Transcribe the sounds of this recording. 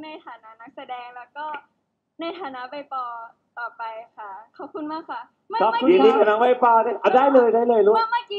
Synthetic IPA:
na˧jt̪ʰaː˨˩˦na˦˥na˦˥k̚sa˧dɛː˧ŋlɛː˦˥wkɔː˥˩ | na˧jt̪ʰaː˨˦na˦˥pa˧jt̪ɔː˨˩ | t̪ɔː˨˩pa˧jkʰa˦˥˩kʰɔː˨˩p̚kʰu˧nmaː˥˩kʰa˦˥ | kʰa˦˥p̚kʰu˧˥i˨˩niː˦˧kʰa˧naː˦˥ŋwa˦˥˩jpaː˧daː˥˩ʔa˧˩daː˥˩jlɤː˧jdaː˥˩jlɤː˧jlu˦˥˩ma˧kː

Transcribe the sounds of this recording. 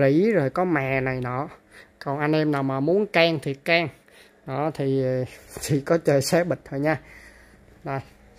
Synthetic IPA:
zḭ˧˥˦zo˨˩jkɔ˨˦ma̰ː˨na˨˩jnɔ̰˨˦ | kɔ˨˩nʔa˧jnʔɛ˧mnaː˨˩wmaː˨˩mu˨˦ənkaː˧ŋt̪ʰi˨˩ət̚kaː˧ŋ | ɗɔ˨˦t̪ʰi˨˩˨t̪ʰi˨˩kɔ˨˦t͡ɕəː˨˩jsɛ˧ɓï˨˩t̚t̪ʰo˧˩jɲaː˧ | ɗə˨˧˩j

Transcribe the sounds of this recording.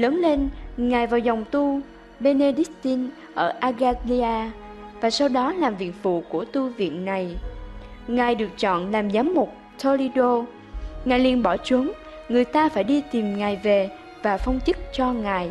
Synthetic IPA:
ləː˨˦nle˧nŋaː˨˩jvaː˨˩wza˨˩wŋ͡mt̪u˧ | ɓe˧ne˧ɗi˦˥k̚t̪i˧n | ʔəː˧˩ʔaː˧ɣaː˧li˧aː˧ | vaː˨˩sa˧wɗɔ˨˦laː˨˩mvḭ˧˨ənvṵ˧˨ku˧˩ət̪u˧vḭ˧˨ənna˨˩j | ŋaː˨˩jɗɨ˨˩ək̚t͡ɕɔ̰˧˨nlaː˨˩mzaː˨˦mːʊ˨˩k͡p̚ | t̪ʰo˧li˧ɗo˧ | ŋaː˨˩jlḭ˧˨ənɓɔ˧˩t͡ɕwu˨˦ŋ | ŋɨ˨˩əjt̪aː˧faː˧˩jɗi˧t̪i˨˩mŋaː˨˩jve˨˩ | vaː˨˩fə˧wŋ͡mt͡ɕɨ˦˥k̚t͡ɕɔ˧ŋaː˨˩j

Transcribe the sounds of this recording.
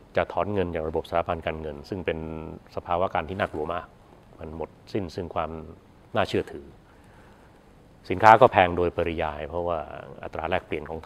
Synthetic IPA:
t͡ɕa˨˩ʔt̪ʰɔː˩˦nŋɤ˧nt͡ɕaː˨˩k̚ɾa˧bo˨˩p̚sa˨aː˦˥pʰa˧nkaː˧nŋɤ˧nsɯ˥˩ŋpe˧nsa˧pʰaː˧wa˦˥kaː˧nt̪ʰiː˥˩naː˥˩k̚lu˧ɐmaː˥˩k̚ | ma˧nmo˨˩t̪̚si˥˩nsɯ˥˩ŋkʰwaː˧m | naː˥˩t͡ɕʰɯ˥˩ɐt̪ʰɯː˩˦ | si˩˦nkʰaː˦˥kɔː˥˩pʰɛː˧ŋdoː˧jpa˧ɾi˧jaː˧jpʰɾɔ˦˥waː˥˩ʔa̰˧˩t̪ɾaː˧ɾɛː˥˩k̚pli˨˩ənkʰɔː˩˦ŋt̪ʰ

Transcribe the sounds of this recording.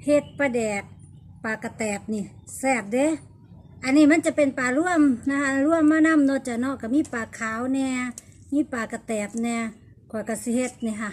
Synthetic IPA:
he˧t̪̚pa˧dɛː˨˩k̚ | paː˨ka˧t̪ɛː˨˩p̚ni˧˨ | sɛː˧˩p̚de˧˦ | ʔa˨nːiː˧˩ma˧˥˨nt͡ɕa˧˨pe˨npaː˨lu˧˨əmna˧ha˧lu˧˥˨əmːaː˧˨na˧˥˨mnɔ˧˨t͡ɕa˧˨nɔ˧˨ka˧˩miː˧˥˨paː˨˩kʰaː˨˦wnɛː˧ | miː˧˥˨paː˨˩ka˧t̪ɛː˨˩p̚nɛː˧ | kʰɔː˧˨ka˧˩si˧˦he˧t̪̚ni˧˩ɦa˧˨

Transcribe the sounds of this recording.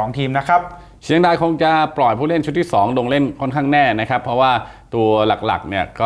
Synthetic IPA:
ɔː˩˦ŋt̪ʰiː˧mna˦˥kʰa˦˥p̚ | t͡ɕʰi˦˥əŋdaː˧jkʰo˧ŋt͡ɕa˨˩plɔ˨˩jpʰuː˥˩le˥˩nt͡ɕʰu˦˥t̪ʰːiː˥˩sɔː˩˦ŋlo˧ŋle˥˩nkʰɔ˥˩nkʰaː˥˩ŋnɛː˥˩na˦˥kʰa˦˥pʰɾɔ˦˥waː˥˩t̪u˧ɐla˨˩k̚la̰˨˩k̚ni˥˩ɐkɔː˥˩

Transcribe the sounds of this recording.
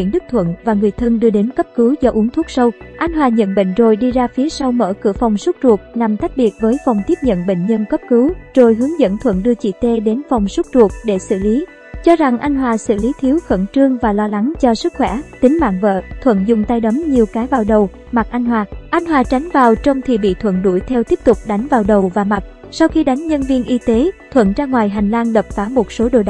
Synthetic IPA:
wḭ˧˩ənɗɨ˦˥k̚t̪ʰwə̰˧˨nvaː˨˩ŋɨ˨˩əjt̪ʰə˧ŋɗɨ˧əɗe˨˦nkə˦˥p̚kɨ˨˦zɔ˧ʔu˨˦əŋt̪ʰu˦˥ək̚sə˧wʔa˧jŋ̟ɦwaː˨˩ɲə̰˧˨nɓḛ˧˨ŋ̟zo˨˩jɗi˧zaː˧fi˨˦əsa˧wmə̰ː˧˩kɨ̰˧˩əfɔ˨˩wŋ͡msʊ˦˥t̚zu˨˩ək̚na˨˩mt̪a˦˥k̟̚ɓi˨˩ət̚vəː˨˦jfɔ˨˩wŋ͡mt̪i˦˥əp̚ɲə̰˧˨nɓḛ˧˨ŋ̟ɲə˧nkə˦˥p̚kɨ˨˦wzo˨˩jɦɨ˨˦ŋzə̰˧˥˨nt̪ʰwə̰˧˨nɗɨ˧ət͡ɕḭ˧˨t̪e˧ɗe˨˦nfɔ˨˩wŋ͡msʊ˦˥t̚zu˨˩ək̚ɗe˧˩sɨ̰˧˨li˨˦ | t͡ɕɔ˧za˨˩ŋʔa˧jŋ̟ɦwaː˨˩sɨ̰˧˨li˨˦t̪ʰi˨˦əwxə̰˧˩nt͡ɕɨ˧əŋvaː˨˩lɔ˧la˨˦ŋt͡ɕɔ˧sɨ˦˥k̚xwɛ̰˧˩t̪ï˨˦ŋ̟ma̰ː˧˨ŋvə̰ː˧˨t̪ʰwə̰˧˨nzʊ˨˩ŋ͡mt̪a˧jɗə˨˦mɲi˨˩əwkaː˨˦jvaː˨˩wɗə˨˩w | ma˨˩t̚ʔa˧jŋ̟hwaː˨˩ʔa˧jŋ̟hwaː˨˩t͡ɕa˨˦jŋ̟vaː˨˩wt͡ɕə˧wŋ͡mt̪ʰi˨˩ɓḭ˧˨t̪ʰwə̰˧˨nɗṵ˧˩jt̪ʰɛ˧wt̪i˦˥p̚t̪ʊ˨˩k͡p̚ɗa˨˦jŋ̟vaː˨˩wɗə˨˩wvaː˨˩ma˨˩t̚ | sa˧wxi˧ɗa˨˦jŋ̟ɲə˧nvi˧ənʔi˧t̪e˨˦t̪ʰwə̰˧˨nt͡ɕaː˧ŋwaː˨˩jɦa˨˩jŋ̟laː˧nɗə˨˩p̚faː˨˦mo˨˩t̚so˨˦ɗo̰˧˨jɗ

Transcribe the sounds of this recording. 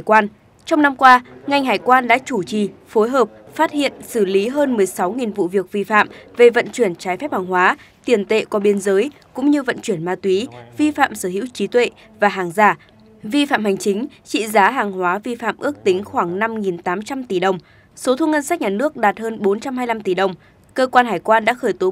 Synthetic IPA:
jkwaː˧n | t͡ɕɔ˧wŋ͡mna˧mkwaː˧ŋa˨˩jŋ̟ɦaː˨˩jkwaː˧nɗa̰ː˧˥t͡ɕu˧˩t͡ɕi˨˩fo˨˦jɦəː˨˩p̚ | faː˦˥t̚hḭ˧˨ənsɨ˧˩li˨˦ɦəː˧nmɨ˨˩əjsa˨˦wŋi˨˩nvṵ˧˨vi˨˩ək̚vi˧fa̰ː˧˨mve˨˩və̰˧˨nt͡ɕwi˧˩ənt͡ɕaː˨˦jfɛ˦˥p̚haː˨˩ŋɦwaː˨˦ | t̪i˧˩ənt̪ḛ˧˨kɔ˨˦ɓi˧ənzəː˨˦jkʊ̰˧˥ŋ͡mɲɨ˧və̰˧˨nt͡ɕwi˧˩ənmaː˧t̪wi˨˦vi˧fa̰ː˧˨msəː˧˩ɦḭ˧˥wt͡ɕi˨˦t̪wḛ˧˨ | vaː˨˩ɦaː˨˩ŋzaː˧˩ | vi˧fa̰ː˧˨mha˨˩jŋ̟t͡ɕï˨˦ŋ̟ | t͡ɕḭ˧˨zaː˨˦ɦaː˨˩ŋɦwaː˨˦vi˧fa̰ː˧˨mʔɨ˦˥ək̚t̪ï˨˦ŋ̟xwaː˧˩ŋna˧mŋi˨˩nt̪aː˨˦mt͡ɕa˧mt̪i˧˩ɗə˨˩wŋ͡m | so˨˦t̪ʰu˧ŋə˧ns̬a˦˥k̚ɲaː˨˩nɨ˦˥ək̚ɗaː˨˩t̚həː˧nɓo˨˦nt͡ɕa˧mɦaː˧jla˧mt̪i˧˨˩ɗə˨˩wŋ͡m | kəː˧kwaː˧nhaː˧˩jkwaː˧nɗa̰ː˧˥xəː˧˩jt̪o˨˦

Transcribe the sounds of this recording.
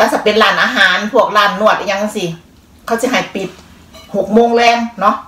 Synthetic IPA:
laː˧˥˩sa˧˩pe˧˨nlaː˨˦nʔaː˧ɦaː˨˦npʰu˥˩ək̚laː˨˧˩nːu˧˩ət̪ʔa˧ɲa˧ŋkːnsi˧˩ | kʰa˧˩wsi˧˦ɦa˨˩jpi˨˩t̪̚ | ho˨˩k̚moː˧˨ŋlɛː˧˩ŋnɔ˧˦˥ʔ

